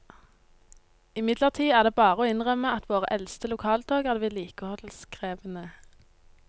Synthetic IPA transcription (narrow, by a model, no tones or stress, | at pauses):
ɪmɪd̪ləʁt̪ʰiːæːʁd̪eːbɑːʁəoːɪnʁœməɑt̪ʰʋoːʁəʔɛlst̪əlʊkʰɑːlt̪ʰoːɡæːʁd̪əʋɪːliːkohɔt̪l̩skʁeːʋənə